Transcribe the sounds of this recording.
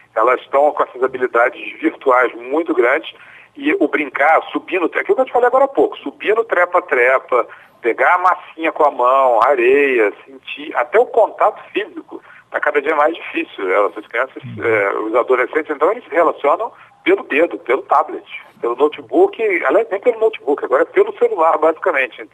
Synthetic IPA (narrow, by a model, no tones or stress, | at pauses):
ɛlɐzʃt̪ɐ̃w̃kõɛsɐzabilid̪ad͡ʒɪzviɾt̪uajzmũj̃t̪ʊɡɾɐ̃d͡ʒɪs | ɪʊbɾĩŋkaɾsubĩnd̪ʊakiwʊkevot͡ʃifalejaɡɔɾɐapokʊ̥subĩnd̪ʊt̪ɾɛpɐt̪ɾɛpɐ | peɡaɐmasĩɲɐkõɐmɐ̃w̃aɾejɐsĩt͡ʃia̰t̪ɛʊkõnt̪at̪ʊ̥fizikʊt̪ɾakad̪ɐd͡ʒiɐmajzd͡ʒifisiwɛ̰lɐsuɐskɾiɐ̃sɐsɛ̰ʊ̰zad̪olesẽt͡ʃɪz̥ẽnt̪ɐ̃w̃elɪshelasiõnɐ̃w̃pelʊd̪ed̪ʊpelʊt̪ablet͡ʃɪ̥pelʊnowt͡ʃɪbukɪa̰ljajznẽj̃pelʊnowt͡ʃɪ̥bukɪaɡɔɾɐɛpelʊselulaɾbazikɐmẽnt͡ʃɪẽ